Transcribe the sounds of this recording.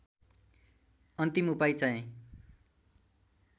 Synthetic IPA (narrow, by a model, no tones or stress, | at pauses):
ʌnt̪imupajt͡saĩ